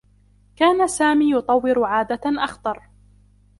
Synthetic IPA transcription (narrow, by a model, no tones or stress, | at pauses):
kaːnasaːmiːjʊt̪ˤɑwːɪɾʕaːd̪aʔɑxt̪ˤɑɾˤ